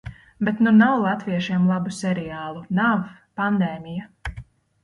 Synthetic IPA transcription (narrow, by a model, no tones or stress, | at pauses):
bet̪nunawlˠat̪viɛʃiɛmlˠabusɛɾiaːlˠunavpand̪eːmija